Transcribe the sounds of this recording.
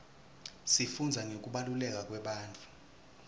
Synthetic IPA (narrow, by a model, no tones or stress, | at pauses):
sifund͡zʱaŋok̬ʼuɓalulɛk̬ʼak̬ʼwɛɓaːnt͡fʼu